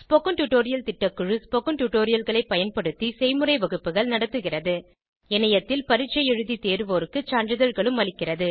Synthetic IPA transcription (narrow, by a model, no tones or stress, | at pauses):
spokɐɳʈuʈoːɾɪjɐlt̪ɪʈːɐkːɯɻɯspɔkɐnʈuʈːoːɾɪjɐlɣɐɭɐɪpːɐjɐnpɐɽɯt̪ːisɛɪmɯrɐɪʋɐɣɯpːɯɣɐɭnɐɽɐt̪ːɯɣɪrɐðɯ | ɛnɐjɐt̪ːɪlpɐɾɪt͡ʃːɐjɛɻɯðit̪eːɾɯʋoːɾɯkːɯt͡ʃaːndrɯðɐɻɣɐɭɯmɐɭɪkːɪrɐðɯ